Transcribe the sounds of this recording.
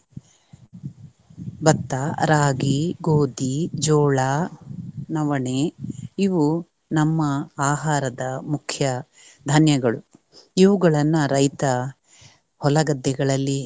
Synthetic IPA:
bɐt̪ːaɾaːɡiɡoːd̪id͡ʒɔːɭaː | nɐʋɐɳeiʋu | nɐmːɐaːɦaːɾɐd̪ɐmukʰjɐ | d̪ʱanjɐɡɐɭu | iʋuɡɐɭɐnːɐɾɐjt̪ɐ | hɔlɐɡɐd̪ːɛɡɐɭɐlːi

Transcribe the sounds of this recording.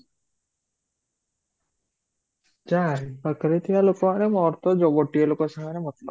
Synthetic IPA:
d͡ʒajbakɾet̪ʰijalokɔmaʔɾɛmɔɾt̪ɔd͡ʒɔɡɔʈːijəlokɔsaŋaɾɛmɔt̪lɔ

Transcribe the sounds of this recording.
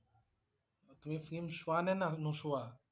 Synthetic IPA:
t̪umẽfɾĩmsuanɛ̃nãnũsua

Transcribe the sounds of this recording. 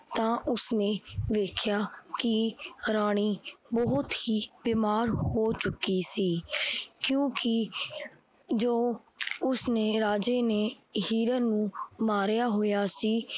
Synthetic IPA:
t̪ãːʔʊsneːʋeːkʰjaːkɪɾaːɽ̃iːbɔɦʊt̪hiːbɪmaːɾhoːt͡ʃʊkːiːsiːkjõːkɪ | d͡ʒoː | ʊsneːɾaːd͡ʒeːneːɦiːɾəɾnũːmaːɾjaːɦoːjaːsiː

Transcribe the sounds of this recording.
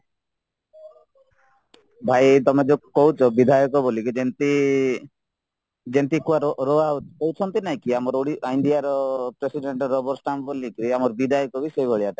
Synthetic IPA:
bʱajt̪ɔmed͡ʒokɔɦut͡ʃʰɔbid̪ʱajɔkɔbolikd͡ʒent̪i | d͡ʒent̪ikuaɾɾɔakɔɦut͡ʃʰɔnt̪inaĩkiamɔɾoɽiʔajɳɖijaɾɔpɾesiɖeɳʈɔɾɔbɔɾsʈambolikiɾiamɔɾbid̪ʱajɔkɔbisejbʱɔɭiaʈa

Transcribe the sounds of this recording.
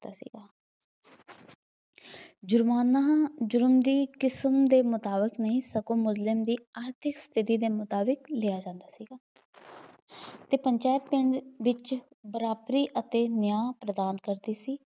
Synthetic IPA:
aːsḭːɡaː | d͡ʒʊɾmaːnːaɦãːd͡ʒʊɾəmd̪iːkɪsəmd̪eːmʊt̪aːbəknəɦĩːsəɡõːmʊslɪmd̪iːaːɾt̪ʰɪkst̪ʰɪt̪iːd̪eːmʊt̪aːbɪklɪjaːd͡ʒãːnd̪aːsiːɡaː | t̪eːpəɲt͡ʃaːɪt̪̚pɪɳɖʋɪt͡ʃ | bəɾaːbɾiːʔət̪eːnɪjaːpɾəd̪aːnkəɾd̪iːsiː

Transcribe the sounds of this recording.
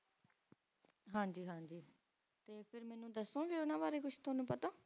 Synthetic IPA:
ɦãːd͡ʒiːɦãːd͡ʒiː | t̪eːpʰɪɾmɛːnũːd̪əsõːɡeːʊnãːbaːɾeːkʊt͡ʃʰt̪ʊaːnũːpət̪ãː

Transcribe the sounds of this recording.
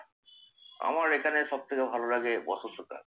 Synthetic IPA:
a̰maɾekʰaneʃɔb̚t̪ʰekebʱaloɾaɡebɔ̰sosota̰ɾ

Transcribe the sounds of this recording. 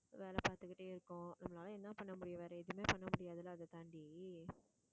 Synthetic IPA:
ʋeːlɐpaːɾt̪ɯkːɪʈːeːɪɾɯkːʊ̃nɐmːɐnaːlɐɛnːãːpɐɳːɐmʊɽɪjɐ̃ʋeːɾɐɪðɯmeːpɐɳːɐmʊɽɪjaːðɐlãːðɐt̪aɳɖi

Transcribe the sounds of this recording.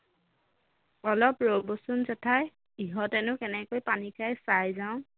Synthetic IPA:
ɔlɔpɹobosʊnzɛtʰaj | iɦɔtɛnʊkɛnɛkojpanikʰajsajzaʊ̃

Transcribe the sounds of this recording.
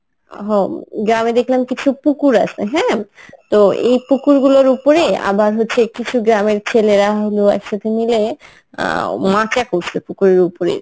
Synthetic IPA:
ɦoɡɾamed̪ekʰlamkit͡ɕʰupukuɾa̰t͡ɕʰeɦɛ̃t̪oḛjpukuɾɡuloɾupoɾea̰baɾɦotːɕʰekit͡ɕʰuɡɾameɾt͡ɕʰeleɾaɦod̪oɛ̰kʃat̪ʰenilḛ | mãt͡ɕakosepukuɾeɾupoɾḛ

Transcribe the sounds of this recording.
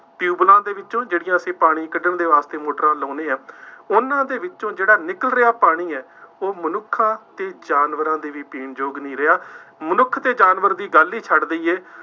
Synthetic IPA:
pɪjuːblãːd̪eːʋɪt͡ʃt͡ʃõːd͡ʒeːɽɪjãːəsĩːpaːɽ̃iːkəɖəɳd̪eːʋaːst̪eːmoːʈəɾãːlõːneːɛːʊnãːd̪eːʋɪt͡ʃõːd͡ʒeːɽaːnɪkəlɾɪaːpaːɽ̃iːɛː | oːmənʊkʰːãːt̪eːd͡ʒaːnʋəɾãːd̪eːʋiːpiːɳd͡ʒoːɡnəĩːɾəaːmənʊkʰːt̪eːd͡ʒaːnʋəɾd̪iːɡəlːiːt͡ʃʰəɖd̪əiːeː

